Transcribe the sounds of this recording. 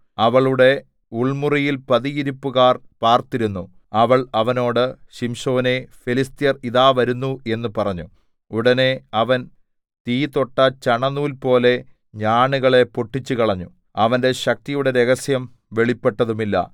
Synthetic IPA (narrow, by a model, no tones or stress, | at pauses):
ɐʋɐɭuɽe̞ | uɭmurijilpɐðiiɾupːuɣaːrpaːrt̪iɾunːu | ɐʋɐɭɐʋɐno̞ːɽɨɕimʂo̞ːne̞felist̪jɐriðaːʋɐɾunːue̞nːupɐrɐɲːu | uɽɐne̞ɐʋɐn | t̪iːt̪o̞ʈːɐt͡ɕɐɳɐnːuːlpo̞ːle̞ | ɲaːɳuɣɐɭe̞poʈːit͡ɕːukɐɭɐɲːu | ɐʋɐnde̞ɕɐk̚t̪ijuɽe̞ɾeɣɐsjɐm | ʋe̞ɭipːe̞ʈːɐðumilːɐ̰